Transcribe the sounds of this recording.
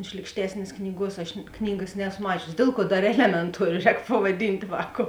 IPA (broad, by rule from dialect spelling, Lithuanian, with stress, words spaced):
ˈʃʲlʲiːkʃʲtʲɛsʲnʲeːs ˈknʲiːˌɡuɔs ɐʃ ˈknʲiːɡɐs ˈnʲɛːsoː ˈmɑːt͡ʃʲʊsʲɪ ˈdʲeːlˠ ˌkuɔ ˈdɐr ˈæːlʲɛmʲɛnˌtuɔrʲoː ˈrʲɛːk pɐʋɐˈdʲiːnʲtʲ ˈʋɑːkoːʊ